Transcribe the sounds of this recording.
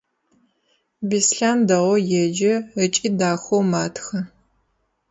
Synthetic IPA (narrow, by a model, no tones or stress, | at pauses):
bisɬaːndɐʁʷɔjɛd͡ʒɐət͡ʃʼiːdaːxʷowmaːtʰxɐ